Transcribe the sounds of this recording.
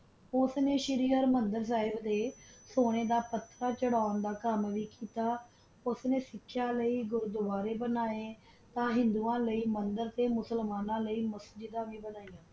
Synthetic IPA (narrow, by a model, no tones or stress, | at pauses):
ʊsneːʃɪɾiːəɾmənd̪əɾs̬aːɦɪbd̪eːsoːɽ̃eːd̪aːpət̪ːɾaːt͡ʃəɽaːond̪aːkəmʋiːkiːt̪aː | ʊsneːsɪkʰːjãːləiːɡʊɾd̪ʊʋaːɾeːbənaːẽː | t̪ãːɦɪ̃nd̪uːãːləiːmənd̪əɾt̪eːmʊsəlmaːnãːləiːməsd͡ʒɪd̪ãːʋiːbənaːijãː